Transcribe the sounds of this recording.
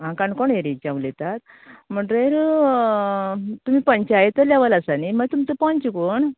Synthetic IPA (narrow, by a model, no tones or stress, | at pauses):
ɦãkankɔɳeɾit͡ɕãʋlet̪at̪̚ | m̤əɳʈɾeɾu | t̪um̤ipəɲt͡ɕajet̪əlɛʋalasaniməɡt̪umt͡səpɔ̃ɲt͡ɕikoɳ